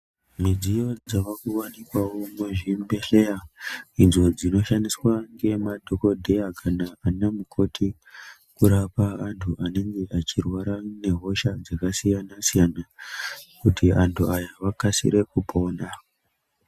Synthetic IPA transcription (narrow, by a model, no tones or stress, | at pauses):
mid͡zijo̞d͡zaʋakuwanikwawo̞muʒimbeɬejainzo̞d͡zino̞ʃandiswaŋɡe̞madʱoko̞dʱe̞jakʰanaanamukʰo̞tʰi | kuɾapaːntʰuane̞ŋɡe̞ʔat͡ʃirwaɾane̞ɦo̞ʃad͡zakasijanasijana | kutiantʰuajaʋakasḭɾe̞kupʰo̞ːna